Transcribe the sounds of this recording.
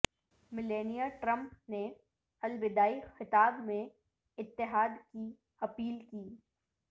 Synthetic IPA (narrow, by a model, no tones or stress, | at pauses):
mɪleːnijaʈɾə̃mpne | ɐlbɪd̪aːixɪt̪aːbmẽ | ɪt̪ːɪɦaːd̪ki | ɐpiːlkiː